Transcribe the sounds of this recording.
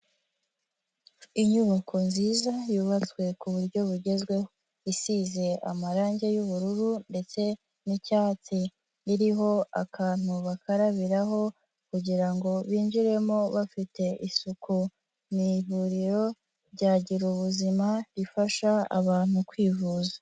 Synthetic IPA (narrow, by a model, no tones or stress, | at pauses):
iɲuβakʰo̞nziːzajuːβat͡swe̞kuβuɾɟo̞βuɟe̞zɡwe̞ho | isize̞ʔa̰maɾaːɲɟe̞juβuɾuɾunde̞t͡se̞ | nicaːt͡si | iɾiɦo̞a̰kʰaːn̥huβakʰaɾaβiɾaɦo̞ | kuɟiɾaŋɡo̞βiːnd͡ʒiɾe̞mo̞βafite̞ʔisuku | niβuɾiɾo̞ | ɾɟaːɟiɾuβuzimaɾifaʃaa̰βaːn̥hukwiːvuza